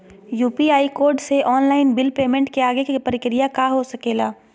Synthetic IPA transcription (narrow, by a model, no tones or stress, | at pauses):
juːpiaːikoːɾɖseʔɔːnlaːɪnbɪlpeːmẽɳʈkeaːɡekipəɾɪkɾɪjakaɦosɐkeːlaː